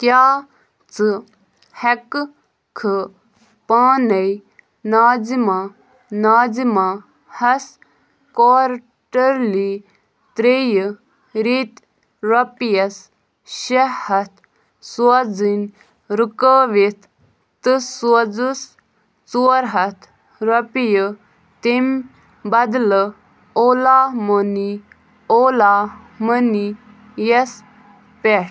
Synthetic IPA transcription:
kjaː | t͡sɨ | hek | kʰɨ | paːnɐj | naːzima | naːzima | hɐs | koːɾ | ʈɐɾli | t̪ɾej | ɾit̪ | ɾɐpijɐs | ʃɐhɐt̪ | swɐd͡zin | ɾɨkəʋet̪ʰ | t̪ɨsɐd͡zus | t͡suəɾɦɐt̪ʰ | ɾɐpjə | t̪em | bɐd̪lə | oːlaːmoni | ola | məni | jes | peʈ

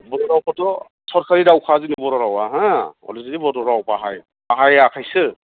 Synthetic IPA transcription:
bɔdɔɾawpʰɔtɔ | sɔɾkʰaɾiɾawkʰazinɔbɔɾɔɾawaɦãɔ̰lizidibɔdɔɾawpaɦaj | aɦajakʰajsɯ

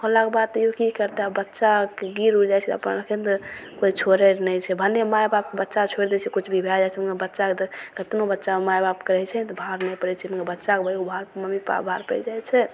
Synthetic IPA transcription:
holakebad̪̚t̪jokikəɾt̪eɦabbətːʃakeɡiɾud͡ʒajt͡ʃʰɛt̪ə̰pnkʰend̪koit͡ʃʰoɾeɾnɛjt͡ʃʰɛbʱənːemajbap̚kebətːʃat͡ʃʰoeɾd̪et͡ʃʰɛkut͡ʃʰbʱibʱad͡ʒat͡ʃʰɛmkebətːʃakd̪kət̪nobətːʃamajbapkeɾɛt͡ʃʰɛt̪bʱaɾnɛjpəɾɛt͡ʃʰɛmkebətːʃakebʱəkubʱaɾməmipa̰bʱaɾpɛ̰d͡ʒajt͡ʃʰɛ

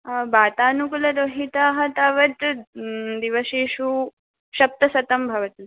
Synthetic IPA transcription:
baːt̪aːnukulɐd̪oɦit̪aːɦɐt̪aʋɐt̪ | d̪iʋɐʃiːʃu | ʃɐp̚t̪ɐsɐt̪ɐmbʱɐʋɐt̪u

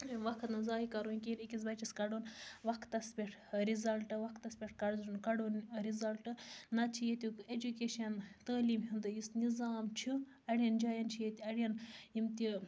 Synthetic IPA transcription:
iʋɐkʰt̪nɨzaːikɐɾunʲkinikʲisbɐt͡ʃiskɐɽoːnʋɐkʰt̪ɐspʲeʈʰɾizɐlʈɨʋɐkʰt̪ɐspʲeʈʰkɐɽzunkɐɽonɾizɐlʈɨːɐt͡ʃʰijet̪uked͡ʒukeːʃɐnt̪ɐːliːmɦind̪ɨjisnizaːmt͡ʃʰi | ɐɽʲjɐnd͡ʒaːjɐnt͡ʃʰijet̪ʲɐɽʲɐnjimt̪i

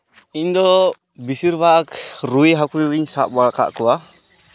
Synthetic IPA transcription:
ind̪ɔ | bisiɾbakɾujɦakujiɲsaʔbaka̰ʔkuwa

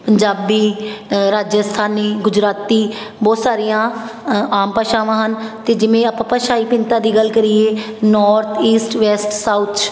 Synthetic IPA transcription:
pəɲd͡ʒaːbiːɾaːd͡ʒəst̪ʰaːniːɡʊd͡ʒɾaːt̪iː | bɔːt̪saːɾijãːaːmpaːʃãːʋãːɦənt̪eːd͡ʒɪʋẽːaːpãːpaːʃaːiːpɪ̃nt̪ãːd̪iːɡəlkəɾiːeː | nɔːɾt̪ʰiːsʈʋɛːsʈsaʊt̪t͡ʃ

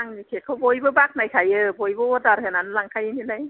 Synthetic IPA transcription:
aŋnikʰekʰːɔwbojbɯbaːk̚najkʰajɯːbojbɯwɔdaɾhɯnanlaŋkʰajnilaj

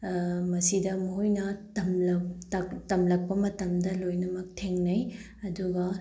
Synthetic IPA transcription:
mɐsidɐmɐɦojnɐtɐmlɐtɐtɐmlɐk̚pɐmɐtɐmdɐlojnɐmɐk̚tʰeŋnɐj | ɐduɡɐ

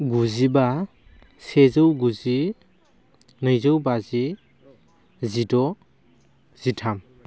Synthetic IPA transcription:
ɡuziba | sezɯwɡuzi | nɯjzɯwbazi | zidɔ | z̥itʰam

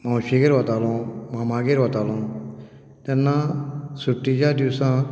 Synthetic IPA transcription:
mãwɕiɡeɾʋat̪alɔ̃mamãɡeɾʋat̪alɔ̃ | t̪ɛnːasuʈːid͡ʑad̪iwsã

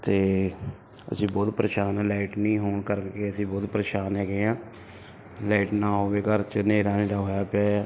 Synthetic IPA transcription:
t̪eː | ə̰sĩːbɔːt̪pɾəʃaːnɛ̃ːlaːɪʈnĩːɦoːɳkəɾəkeəsĩːbɔːt̪pɾəʃaːnɦɛːɡeːãː | laːɪʈnãːɦoːʋeːkəɾt͡ʃəneːɾaːneːɾaːɦoːjaːpaː

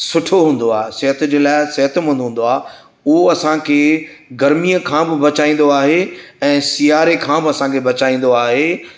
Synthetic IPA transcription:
sʊʈʰoɦũːn̆d̪oaːɦesɐɦət̪d͡ʑeːlaːɪsɐɦət̪ʊmɐ̃nd̪ɦũːn̆d̪oaː | ʊɦoɐsãkʰeː | ɡɐɾmijəkʰãbɪbɐt͡ɕaːĩn̆d̪oaːɦeɛ̃ːsijaːɾekʰãːbɪɐsãkʰebɐt͡ɕaːĩːn̆d̪oaːɦeː

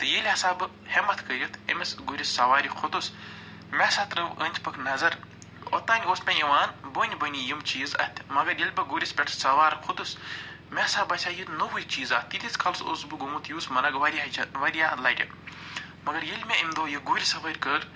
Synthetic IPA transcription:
t̪ɨjelʲasaːbɨ | hemɐt̪ʰkəɾʲit̪ʰḭmʲɐsɡuɾʲisːɐʋaːɾʲikʰʊt̪us | mʲɛsaːt̪ɾɐʋənʲt͡ʃpɐkʰnɐzɐɾ | o̰t̪aːnʲoːsmʲeiʋaːnboːnʲbɐnʲijimt͡ʃiːzɐ̰t̪ʲʰmɐɡɐɾjelʲbɐɡuːɾʲispʲeʈʰsɐʋaːɾkʰʊd̪us | mʲesaːbɐsʲaːjut̪noʋujʲt͡ʃiːzaːt̪ːit̪ʰit͡skʰɐlso̰ːsbɨɡumut̪ʰjuːsmɐnɐɡʋɐɾʲaʋɐɾʲjaːlɐːʈʲɐ̰ | mɐɡɐɾjelʲmʲeimd̪oːjɐɡuːɾʲisɐʋɐɾʲkəːɾ

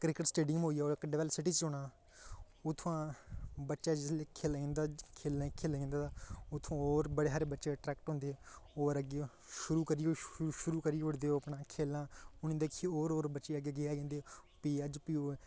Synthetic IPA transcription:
kɾɪkəʈsʈeːɖɪmɦoːiːaoːɾkəɖeʋɛlsɪʈiːt͡ʃoːnaː | ʊt̪ʰːõãːbətːʃaːd͡ʒɪsleːkʰeːlĩːnd̪aːkʰeːlãːkʰeːlːĩːnd̪aːd̪aːʊt̪ʰːõːoːɾbəɽeːɦaːɾeːbətːʃeːʈɾɛːkʈɦõnd̪eːoːɾəɡe | ʃʊɾuːkəɾiːoʃʊɾuːkəɾiːʊɽd̪eːoːəpɳãːkʰeːlːãːʊñĩːd̪eːkʰːiːoːɾoːɾbəːʃeːəɡeəɡeːaːẽːnd̪eːpiːəd͡ʒpiːoː

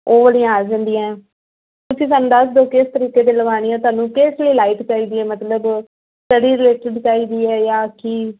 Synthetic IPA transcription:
oːʋəɽijãːaːd͡ʒãːnd̪iːãɛː | ʊt͡ʃiːsaːnũːd̪əsd̪oːkɪst̪əɾiːkeːd̪eːləʋaːɽ̃iːɛ̃ːt̪ʊaːnũːkɪsləiːlaːipt͡ʃaːiːd̪iːɛːmət̪ləb | sʈəɽiːɾɪleːʈɪɖt͡ʃaːiːd̪iːɛːjaːki

